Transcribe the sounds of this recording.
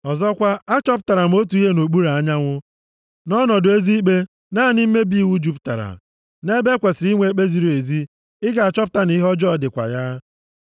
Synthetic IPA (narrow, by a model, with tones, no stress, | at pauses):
ɔ˨zɔ˦kʷa˦a˦t͡ʃɔ˦p̬ʊ˨ta˨ɾa˨m̩˨˦o˦tu˨˦i˦ɦe˦no˨k͡pu˦ɾa˨a˦ɲa˦ŋʷʊ˦ | nɔ˦nɔ˨dʊ˨e˦zi˦k͡pe˦ | na˦˨nɪ˦m̩˦me˦bi˦i˦˨wu˦d͡ʒu˦pta̰˨ɾa̰˨ | ne˦be˦kʷe˨sɪ˨ɾi˦ŋʷe˨˦k͡pe˦zi˦ɾi˨e˨zi˦ | ɪ˦ka˨a˨t͡ʃɔ˦p̬ʊ̥˦ta˦ni˦ɦɔ˦d͡ʒɔ˦˨dɪ˨kʷa̰˨ja˦